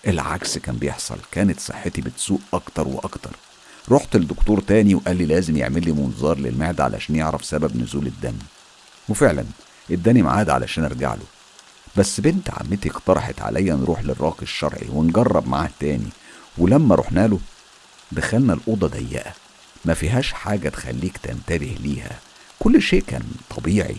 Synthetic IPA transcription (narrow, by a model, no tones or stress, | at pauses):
ʔelʕa̰kskæːmbejeħsˤɑ̰lkæːnet̪sˤɨ̰ħːet̪ibet̪suːʔʔɑkt̪ɑɾˤwḛʔɑkt̪ɑ̰ɾˤ | ɾˤoːħt̪eld̪ːokt̪uːɾˤt̪æːniweʔælːiːlæːzemjḛʕmelːiːmonzɑːɾˤlḛlmeʕd̪ʕa̰lʔæ̰ʃæːnjeʕɾˤɑfsæbæbnʊ̰zuːled̪ːæ̰ni | wefeʕlæ̰n | ʔed̪ːænima̰ʕaːd̪ʕa̰lʔæ̰ʃæːnḛɾɡa̰ʕlo̰ | bæsːbent̪ʕa̰mːet̪ieqt̪ɑɾˤɑħet̪ʕa̰lʔæjːænɾˤʔuːħlerˤːɑːqeʃːɑ̰ɾˤʕḭwenɡɑrˤːɑbma̰ʕaːht̪æːnḭwelæmːæɾˤo̰ħnæːlo | d̪æxælnælʔod̪ˤɑd̪æ̰jːæ̰ʔæ | mæfiːɦæːʃħaːɡæt̪xæ̰lːiːkt̪ænt̪æbehliːhæ̰ | kolːʃeːʔkæ̰ːnt̪ˤʰɑbiːʕḭ